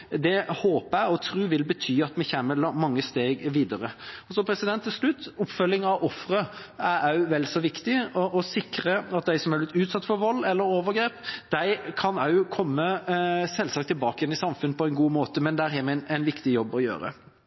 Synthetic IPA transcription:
d̪ɛhoːpəæɪɔt̪ʰɾʉːʋɪlbət̪ʰyːɑt̪mɛçæːməlɑmɑŋːəst̪eːɡʋiːd̪əɾəɔsɔpʰɾɛsɪd̪ɛnt̪ʰːɪlslʉt̪ːʊpfœlːɪŋɑʋʔɔfɾə | æɾɑʉʋɛlsɔʋɪkt̪ɪɔʔɔsɪkɾəɑt̪̚d̪æɪsɔmæblɪt̪ʉːt̪sɑt̪ːfɔɾʋɔlːɛlːəɾoːʋəɾɡɾeːpd̪̥æɪkʰɑnɑʉkʰɔmːəsɛlːsɑkt̪ʰːɪlbɑːkəjɛnɪsɑmfʉnːəpʰɔɛɪnɡuːmoːt̪əmɛnd̪æːɾɦɛmɛnæɪnʋɪkt̪ɪjɔbːɔjø̰ːɾə̰

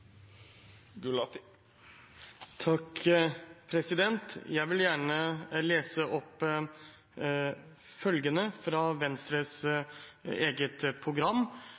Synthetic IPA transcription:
ɡʉlɑt̪ | t̪ʰɑk | pʰɾɛsɪd̪ɛnt̪jæɪʋɪljæːɳəleːsəʔɔpː | fœlɡənəfɾɑʋɛnst̪ɾəs | eːɡət̪pʰɾʊɡɾɑmː

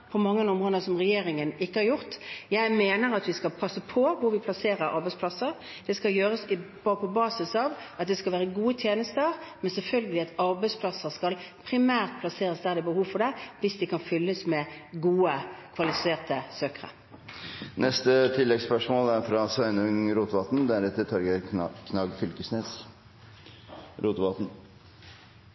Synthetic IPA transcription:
pʰɔmɑŋːənʊmʁoːd̪əsɔmʁɛjeːɾɪŋənɪkːəhɑɾjʊʁt̪jæɪmeːnəɾɑt̪ʋɪskɑlpʰɑsːəpʰɔʋʊɾʋɪpʰlɑseːɾəɾɑ̰ɾbɛɪspʰlɑsəɾ | d̪̥ɛskɑljøːʁəs | pʰɔbɑːsɪsɑʋɑt̪̚d̪ɛskɑlʋæːʁɾəɡuːət̪ʰjeːnəst̪əʁmɛnsɛlfœlɡəlɪɑt̪ɑɾbæɪspʰlɑsəʁskɑlpʰɾɪmæːʁt̪̚pʰlɑseːɾəsd̪æːʁd̪ɪbəhuːʋfɔʁd̪ɛʋɪsd̪ɛkʰɑnfʏlːəsmɛɡuːəkʰʋɑlɪfɪseːʁt̪əsøːkəʁə̰ | nʔɛst̪ət̪ʰɪlːɛɡspœʂmoːlæɾfɾɑsʋœʏnʉŋɾuːt̪ʋɑt̪n̩d̪æɾɛt̪ːɪt̪ʰɔɾɡəɾkʰnɑɡfʏlkəsneːs | ɾuːt̪ʋɑt̪n̩

